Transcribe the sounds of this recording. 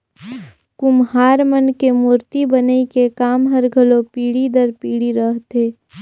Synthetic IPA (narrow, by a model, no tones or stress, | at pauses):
kʊmɦaːɾmənkemuːɾt̪ibənəikekaːmɦəɾɡʱəlopiːɽid̪əɾpiːɽiɾəɦt̪eː